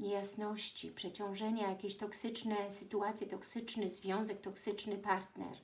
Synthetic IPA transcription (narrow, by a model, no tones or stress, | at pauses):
ɲejasnɔɕt͡ɕḭpʂɛt͡ɕɔ̃w̃ʐɛɲajakʲeɕt̪ɔksɘt͡ʂnɛsɘt̪uat̪sʲjɛt̪ɔksɘt͡ʂnɘzvʲjɔ̃w̃zɛk̚t̪ɔksɘt͡ʂnɘpaɾt̪nɛ̰ɾ